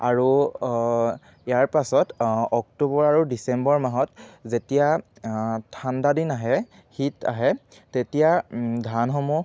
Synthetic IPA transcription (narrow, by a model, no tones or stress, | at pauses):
aɹu | jaɹpasɔtɔk̚tubɔɹaɹudisɛmbɔɹmaɦɔtzetija | tʰandadinaɦɛ | hita̰ɦɛ | tetijadʱanɦɔmu